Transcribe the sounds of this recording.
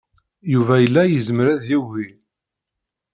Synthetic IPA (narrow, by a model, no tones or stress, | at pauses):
juvæjəlːæjəzməɾæðjivi